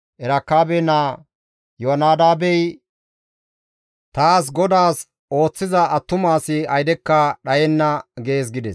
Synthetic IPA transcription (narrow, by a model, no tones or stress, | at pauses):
ʔɛɾɐkːaːbeːnaː | joɐnaːd̪aːbɛj | t̪aːs̬ɡɔd̪aːs | o̞ːt͡sːɪzɐɐt̪ːʊmaːsɪɐjd̪ɛkːɐɗɐjɛnːɐɡeːs̬ɡɪd̪ɛs